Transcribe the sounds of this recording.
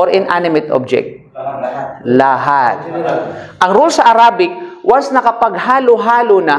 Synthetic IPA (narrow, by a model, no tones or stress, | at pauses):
ʔoɾʔɪnʔanɪmɪt̪ʔo̰b̚d͡ʒɛ̰k̚t̪̚ | laɦat̪̚ | ʔɐŋɾolsɐʔɐɾaːbɪk̚wasnɐkɐpɐɡ̚haːlʊɦaːlonɐ